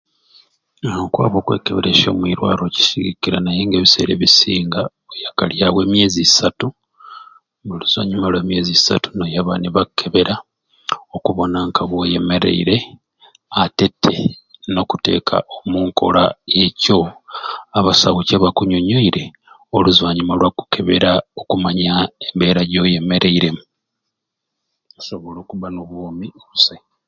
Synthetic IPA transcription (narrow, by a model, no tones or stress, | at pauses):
okwa̰ːβo̞ːkwe̞̰ːkeβeɾeʃo̞̰ːmwiɾwa̰ːɾo̞ci̥siɡikiɾanajeŋɡeβise̞̰ɾeβisiːŋɡa | ojakaljawe̞ːmje̞ːzisatu | βuluz̥a̰ɲumalwe̞ːmje̞ːzisa̰tu̥nojaβaniβakʰːe̞βe̞ɾa | o̞kuβo̞naŋkʰaβwo̞je̞meɾe̞̰ḭɾe̞ | ate̞tʰːḛno̞kute̞̰ːkʰa̰ʔomuːŋkʰo̞̰la̰je̞co̞ | aβasaɣuceβakuɲo̞ɲo̞iɾe̞ | oluzwaːɲimalwaku̥kʰe̞βe̞̰ɾaokumaɲaembe̞ːɾaɟo̞je̞me̞ɾe̞iɾe̞mu | aso̞βo̞loːkuβanoβwomioβuse